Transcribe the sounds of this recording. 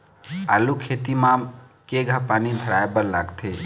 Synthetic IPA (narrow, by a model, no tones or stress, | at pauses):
a̰ːlukʰeːt̪imãm | keɡʱapaːnid̪ʱəɾaːebəɾlaːɡt̪ʰe